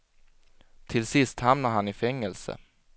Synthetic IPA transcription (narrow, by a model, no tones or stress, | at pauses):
t̪ʰɪlsɪst̪hamnaɾhanɪfɛŋːɛlsə̰